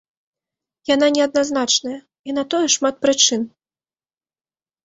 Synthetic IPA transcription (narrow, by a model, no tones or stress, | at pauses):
jananʲɛɐd̪naznat͡ʂnɐjɐ | inɐt̪ɔjɛʂmat̪̚pɾɨt͡ʂɨn